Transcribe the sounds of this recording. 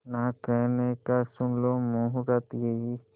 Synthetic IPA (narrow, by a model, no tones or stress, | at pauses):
nakɛɦnekasʊnlomuɦɾat̪jei